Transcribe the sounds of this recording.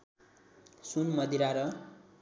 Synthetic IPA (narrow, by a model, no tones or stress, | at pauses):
sunmʌd̪iɾaɾʌ